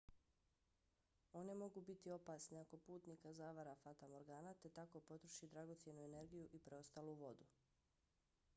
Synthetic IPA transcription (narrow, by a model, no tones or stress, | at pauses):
o̞ne̞mo̞ɡubit̪io̞paːsneako̞puːt̪nikazaːʋaɾafat̪amo̞ɾɡaːnat̪e̞t̪ako̞po̞t̪ɾoʃid̪ɾaɡo̞t̪sje̞nuene̞ɾɡijuʔipɾe̞o̞st̪aːluʋo̞d̪u